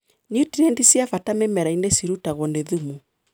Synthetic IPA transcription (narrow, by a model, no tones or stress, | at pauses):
ɲutiɾɛndisiafatamemɛɾainesiɾutaɣɔndeðumu